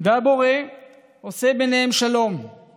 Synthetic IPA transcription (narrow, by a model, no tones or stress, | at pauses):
veabo̞ʁe | osebeneɦemʃalo̞m